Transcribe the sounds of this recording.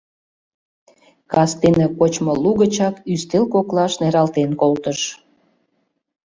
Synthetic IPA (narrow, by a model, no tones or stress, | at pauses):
kɑst̪enekot͡ɕmoluɣət͡ɕɑkyst̪elkoklɑʃneɾɑlt̪enkolt̪əʃ